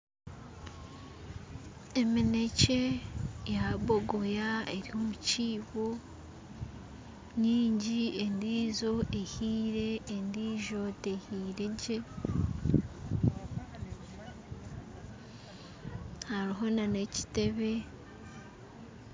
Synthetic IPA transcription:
emine̞ce̞jaβoɡojaḛɾiomuciːβo | niːɲɟiendiːzo̞ehiːɾe̞ːndiːʒo̞tehiːɾe̞ɟe | haɾiɦo̞nane̞ci̥te̞βe̞

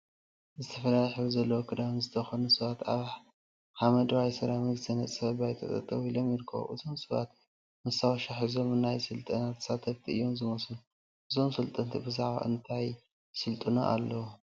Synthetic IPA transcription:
zɨt̪ʰɐfɐlalħuzɐlːɐwokʰɨd̪awnzɨt̪ʰɐxonusɨβat̪a̰βħ | ħamɐd̪wajsɨɾamɨɡzʰɐnɐt͡sʼɐbajt̪ʰɐ̰t̪ʼɐ̰t̪ʼɐβilo̞mjɪɾkʰːɐ̰βo̰ʔɨzʰo̞msɨβa̰t̪̚ | mɨsawaʃaħizo̞mɨnajsɨlt̪ʼɐnat̪ʰɨ̥sat̪ʰɐβt̪ʰiɨ̰jːo̞mzɨmɐsun | ʔɨzo̞msɨlt̪ʼɐnt̪ʰibɨzaʕβa̰ʔɨnt̪ʰaj | sɨlt̪ʼɨno̰ʔa̰lːɐwu

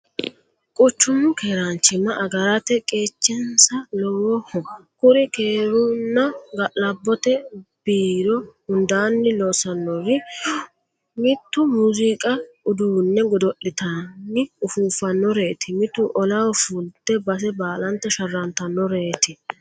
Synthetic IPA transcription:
kʼʊt͡ʃːʊmːʊkeːɾɐnt͡ʃːɪmɐʔɐɡɐɾɐt̪ɛkʼe̞ːt͡ʃːɛnsɐlɔwɔhɔkʊɾɪkeːɾunːɐɡɐʔlɐbːɔt̪ɛb̥iːɾɔʊnd̪aːnːɪlosɐnːɔɾɪ | mɪt̪ːʊmuzikʼɐ | ʊd̪uːnːɛɡɔd̪ɔʔːɪt̪anːɪʊfuːfɐnːɔɾe̞ːt̪ɪmɪt̪ːʊʔɔlɐwɔfult̪ːɛbɐs̬ɛbaːlɐnt̪ːɐʃɐrːɐnt̪ɐnːɔɾe̞ːt̪ɪ

